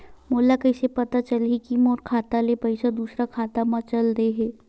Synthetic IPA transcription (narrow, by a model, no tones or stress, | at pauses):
moːlːakəɪsepɐt̪at͡ʃɐlikimoːɾkʰaːt̪alepɐɪsad̪uːsɾakʰaːt̪amãt͡ʃɐlɾeɦɛː